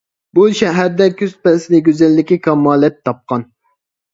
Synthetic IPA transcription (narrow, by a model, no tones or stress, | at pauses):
buʃɛɦæɾd̪ɛkʲʰyz̥pɛsɪlɪɡʲøzɛlːɪkʲikʰɑmːɑːlˠɛt̪ʰːɑp̚qɑn